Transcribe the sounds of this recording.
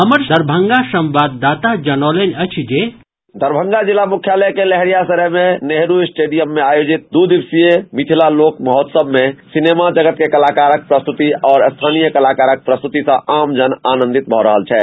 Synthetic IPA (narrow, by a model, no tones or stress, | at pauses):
ɦəməɾd̪ʱəɾbʱəŋɡasə̃mʋad̪ːaːt̪ad͡ʒənɔlenʲət͡ʃʰd͡ʒe | d̪ʱəɾbʱə̃ŋɡad͡ʒilamukʰjalɛkelɛɦɾijasəɾəmeneɦɾusʈeɖijəmːeajod͡ʒit̪̚d̪ud̪ibsijemit̪ʰilaloːkməɦɔt̪səbmesinemad͡ʒəɡət̪̚kekəlakaɾək̚pɾəst̪ut̪iɔːɾst̪ʰanijəkəlakaɾək̚pɾəst̪ut̪isə̃amd͡ʒənanə̃nd̪it̪̚bʱɔɾəɦəlt͡ʃʰɛ